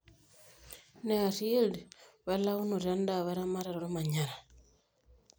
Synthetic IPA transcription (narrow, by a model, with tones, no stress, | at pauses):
ne˨a˨si˦e˦ldβa˦la˦u˦no˨ɾa˦nda˨βa˦ɾa˦ma˦ɾa˨ɾoɾu˦ma˨ɲa˨ɾa˨